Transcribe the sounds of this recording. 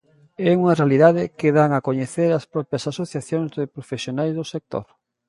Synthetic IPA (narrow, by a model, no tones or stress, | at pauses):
ɛuŋɐrealiðaðɪkɪðaŋakoɲeθeɾaspɾɔpjɐsasoθjaθjoŋzðɪpɾofesjonajzðosek̚t̪o̰ɾ